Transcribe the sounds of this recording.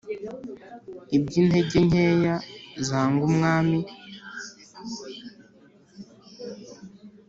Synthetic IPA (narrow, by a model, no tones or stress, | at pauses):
ib̚ɟiːnhe̞ɟeɲejazaːŋɡumŋaːmi